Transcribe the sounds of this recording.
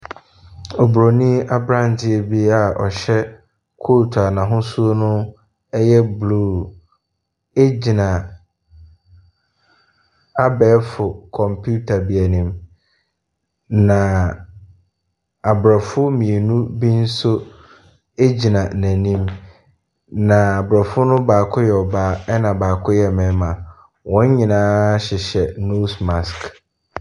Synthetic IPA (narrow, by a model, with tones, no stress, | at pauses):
ɔ˨bɾo˨nĩ˦a˦bɾã˦˨n˨tɪ˦e˦bi˦a˨ʔɔ̰˨ɕɛ˦ | kʰo˦˨tʰa˨nã˨ɦʊ̃˦su˦o˦nʊ̃˦ | ɛ˦jɛ˦bluː˦˨ | e˦d͡ʑi˨nã˨ | a˦bɛː˨˦fʊ˨kʰɔ̃˨mpʰu˦tʰa˨bi˨æ˨nĩ˨m | nã˨ | a˨bɾɔ˨fʊ˦mĩ˨e˨nũ˦bi˦n̩˦sʊ˦ | e˦d͡ʑi˨nã˨næ̃˨nĩ˦m | nã˨a˨bɾɔ˨fʊ˦nʊ̃˦baː˨kʰʊ˦jɛ˨ɔ˨baː˦ɛ˦nã˨baː˨kʰʊ˦jɛ˨mɛ̃˨˦mã˨ | wɔ̃˦ɲ˦ɲĩ˨nãː˦ɕɪ˨ɕɛ˨no˦sma˨sk